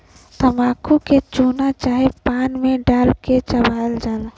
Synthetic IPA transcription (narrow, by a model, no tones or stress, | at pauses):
t̪əmaːkʰuket͡ʃuːnat͡ʃaːɦepaːnmẽɖaːlket͡ʃəbʱaːld͡ʒaːla